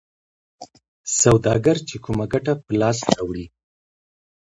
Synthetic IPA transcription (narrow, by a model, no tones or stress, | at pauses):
sawd̪ɑɡaɾt͡ʃekumaɡaʈapəlɑsawɽi